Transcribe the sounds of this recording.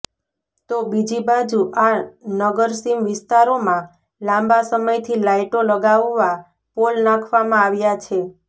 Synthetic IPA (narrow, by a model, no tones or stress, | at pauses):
t̪obid͡ʒibad͡ʒuʔanəɡəɾsimʋɪst̪aɾomã | lãmbasəməjt̪ʰilaiʈoləɡaʋːa | polnãkʰʋamãaʋjat͡ʃʰe